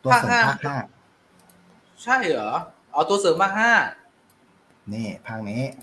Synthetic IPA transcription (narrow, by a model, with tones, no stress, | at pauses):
t̪u˧aː˥˩ks̚ːhaː˦˥aː˥˩k̚haː˥˩ | t͡ɕʰa˥˩jɔ˩˦ | ʔɔː˨˩t̪u˧ɐsɤː˨˦maː˥˩k̚ɦaː˥˩ | niː˧˥˩pʰaː˥˩k̚ni˦˥